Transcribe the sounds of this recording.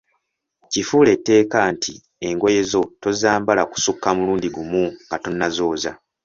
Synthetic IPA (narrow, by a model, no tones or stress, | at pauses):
cifuːle̞tːe̞ːkantʰi | e̞ŋɡo̞je̞zo̞to̞zaːmbalaku̥sukːamuluːndiɡumuŋɡatonːazo̞ːza̰